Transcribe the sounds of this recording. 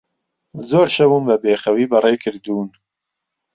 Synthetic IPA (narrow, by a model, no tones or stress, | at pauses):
zoːɾʃɐbunbɐbeːχɐwiːbɐreːkʰɨɾd̪uːn